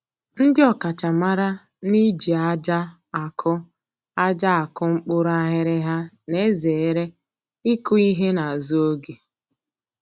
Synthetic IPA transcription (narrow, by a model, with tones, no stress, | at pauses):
n̩˦dɪ˦ɔ˨ka˨t͡ʃa˨ma˦ɾa˦ | ni˦d͡ʒi˨a˦d͡ʒa˦ | a˨kʰʊ˦ | a˦d͡ʒa˦a˨kʊ˦ŋ͡m̩˦k͡pʊ˦ɾa˦ɦɪ˦ɾɪ˦ɦa˦ | ne˦ze˨˦ɾe˦ | i˦kʊ˦i˦ɦe˦na˨zu˦o˦ɡe˨